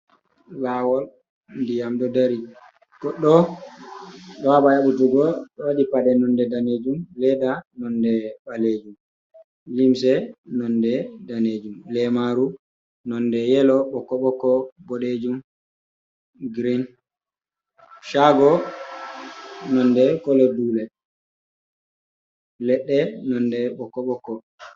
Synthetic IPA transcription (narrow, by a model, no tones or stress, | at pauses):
lawɔl | ndijamdɔdaɾi | ɡ̥ɔɗːɔ | ɗɔwaɓajaɓutuɡɔɗɔwaɗipadɛnɔndɛdaned͡ʒumlɛdanɔndɛbaled͡ʒum | limsɛnɔndɛdaned͡ʒumlɛmaɾu | nɔndɛjɛlɔɓɔkɔɓɔkɔbɔɗed͡ʒum | ɡɾin | ʃaɡɔ | nɔndɛkɔlɔduːlɛ | lɛɗːɛnɔndɛɓɔkɔɓɔkːɔ